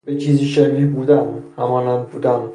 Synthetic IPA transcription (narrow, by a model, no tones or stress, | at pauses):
bet͡ʃʰiːziʃeɾiːbuːd̪ænhæmɒːnænbuːd̪æm